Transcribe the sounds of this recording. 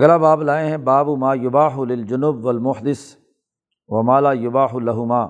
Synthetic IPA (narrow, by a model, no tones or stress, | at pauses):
ɡlabaːblaːẽɦɛ̃baːbʊmaːjʊbaːħʊlɪld͡ʒʊnʊbwɐlmʊħd̪ɪs | ʋɐmaːlaːjʊbaːħʊlɐɦʊmaː